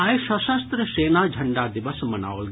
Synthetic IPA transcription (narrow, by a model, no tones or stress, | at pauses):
ajʃɐsast̪ɾəʃeːnaːd͡ʒʱɐɳɖaːd̪iʋɐsmɐna̰ːolɡ